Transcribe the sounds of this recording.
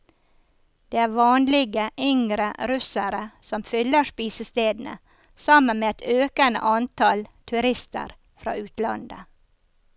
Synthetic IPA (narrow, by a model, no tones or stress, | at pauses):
d̪̥eːæːɾʋɑːnlɪɡəʔʏŋɾəɾʉsæɾəsɔmfʏləʂpiːsəst̪eːd̪n̩ə̰ | sɑmənmeːɛt̪øːkənə̰ʔɑnt̪ʰɑlt̪ʰʉɾɪst̪ə̰ɾ | fɾɑ̰ːʉːt̪lɑ̰nd̪ə̰